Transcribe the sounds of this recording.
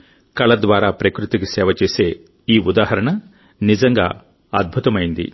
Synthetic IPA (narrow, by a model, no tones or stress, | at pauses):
kɐɭɐd̪ʋaːɾaːpɾɐkɾut̪iɡesɛːʋɐt͡ʃeːseː | iːud̪aːɦɐɾɐɳɐ | nid͡ʒɐŋɡa̰ː | ɐd̪̚bʱut̪ɐmɐjind̪ḭ